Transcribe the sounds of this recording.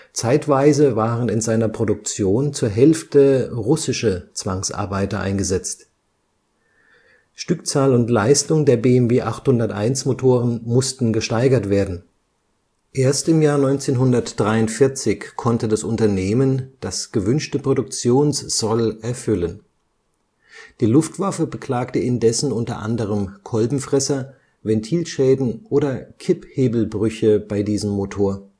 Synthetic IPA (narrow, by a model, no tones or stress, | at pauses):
t͡saɪtv̥aɪzəvaːʁənɪnzaɪnɐpʁ̥odʊk̚t͡sjoːnt͡suːɐɦɛlftəʁʊsɪʃət͡sv̥aŋsʔa̰ɐbaɪtɐʔa̰ɪnɡəzɛt͡st | ʃtʏkt͡saːlʊntlaɪstʊŋdeːɐbeːɛmveːʔaχthʊndɐtʔa̰ɪnsmotʰoːʁənmʊstn̩ɡəʃtaɪɡɐtv̥eːɐdn̩ | ʔeːɐstɪmjaːɐnɔʏnt͡seːnɦʊndɐtd̥ʁaɪʊntfɪɐt͡sɪçkʰɔntədasʔʊntɐneːmənd̥asɡ̥əvʏnʃtəpʁ̥odʊk̚t͡sjoːnsz̥ɔlʔɛɐfʏlən | d̥iːlʊftv̥afəbəkl̥aːktəɪndɛsn̩ʊntɐ̰ʔa̰ndəʁ̞əmkʰɔlbm̩fʁ̥ɛsɐ | vɛntʰiːlʃɛːdn̩ʔoːdɐkʰɪpheːbl̩bʁʏçəb̥aɪdiːzəmːotʰoːɐ